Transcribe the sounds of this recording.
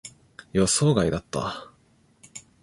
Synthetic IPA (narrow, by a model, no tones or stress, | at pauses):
josoːɡaid̪at̪ːa̰